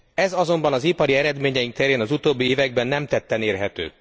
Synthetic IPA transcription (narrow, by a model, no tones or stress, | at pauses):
ɛzɒzo̞mbɒnɒzipɒɾiɛɾɛd̪meːɲɛjiŋk̚t̪ɛɾeːnɒzut̪oːbːieːvɛɡbɛnːɛmt̪ɛt̪ːɛneːrɦɛt̪ø̰ː